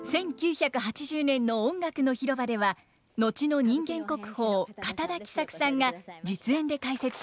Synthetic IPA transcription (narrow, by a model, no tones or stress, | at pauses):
sẽ̞ŋkʲɨːçakɯ̟ɦat͡ɕiʑɨːnẽ̞nːo̞õŋɡakɯ̟no̞çiɾo̞bad̪e̞βa | no̞t͡ɕino̞ɲ̟ĩŋɡẽ̞ŋko̞kɯ̟̥ho̞ːkat̪ad̪akʲi̥sakɯ̟̥sãŋɡad͡ʑit͡sɨẽ̞nd̪e̞kaise̞t͡sɨ̥